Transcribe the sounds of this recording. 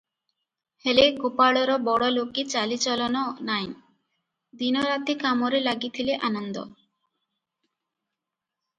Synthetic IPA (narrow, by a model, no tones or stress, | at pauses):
heleɡopaɽɔɾɔbɔɽɔlokit͡ɕalit͡ɕɔlɔnɔnaj | d̪inɔɾat̪ikamɔɾelaɡit̪ʰileʔanɔnd̪ɔ̰